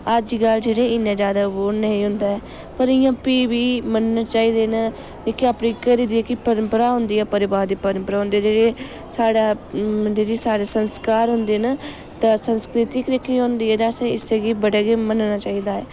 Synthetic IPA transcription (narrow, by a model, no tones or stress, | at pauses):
əd͡ʒiɡald͡ʒeːɽeːɪnːẽːd͡ʒjaːd̪aːʋoːnəĩːɦʊ̃nd̪aːɛː | pəɾɪjãːpiːbiːmənnaːt͡ʃaːiːd̪eːna | ekɪaːpniːkəɾiːd̪iːɛːkɪpəɾəmpəɾaːɦʊ̃nd̪iːɛːpəɾɪbaːɾd̪iːpəɾəmpəɾaːɦʊ̃nd̪eːɛːd͡ʒeːɽeː | saːɽaːd͡ʒeːɾeːsaːɽeːsənskaːɾɦʊnd̪eːna | t̪ãːsənskɾɪt̪ɪkd̪ekʰiːõːnd̪iːɛːt̪asãɪseːɡiːbəɽaːɡeːmənnaːt͡ʃaːiːd̪aːɛː